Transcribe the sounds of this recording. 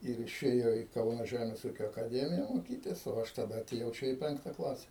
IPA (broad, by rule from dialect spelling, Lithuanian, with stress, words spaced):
ɪr ɪʃʲˈeːjoː iː ˈkɐʊnɐ ˈʒʲæmʲeːs ˈuːkʲoː ɐkɐˈdʲæːmʲɪjɛ moːˈkʲiːtʲɪs oː ˈɐʃ tɐˈdɐ ɐtʲeːˈjɛʊ ˈt͡ʃʲɛ iː ˈpʲɛŋktɐ ˈklˠɑːsʲɛ